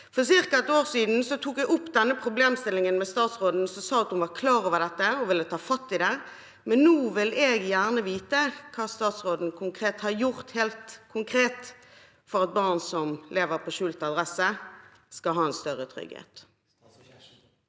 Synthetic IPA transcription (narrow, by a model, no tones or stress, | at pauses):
fɔʁs̬ɪʁkɑɛt̪oːʁsiːd̪n̩sɔt̪ʰuːkɛʔʊpːd̪ɛnːəpʰʁʊbleːmst̪ɪlːɪŋənmɛst̪ɑːt̪sʁoːd̪n̩sɔsɑːɑt̪hʊnʋɑʁkʰlɑːɾoːʋəʁd̪ɛt̪ːəɔʋɪlːət̪ʰɑːfɑt̪ːɪd̪ɛ | mɛnːuːʋɪleːɡjæːʁnəʋiːt̪əkʰɑːst̪ɑːt̪sʁoːd̪n̩kʰʊŋkʰʁeːt̪hɑɾjʊʁt̪heːlt̪kʰʊŋkʰɾeːt̪ | fɔʁɑt̪̚bɑːʁnsɔmleːʋəʁpʰɔʃʉːlt̪ɑd̪ʁɛsə | skɑlɦɑːɛnst̪œʁət̪ʰʁʏ̰ɡhḛːt̪